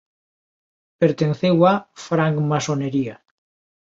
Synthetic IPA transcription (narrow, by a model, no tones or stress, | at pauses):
peɾt̪enθewafɾaŋkmasoneɾia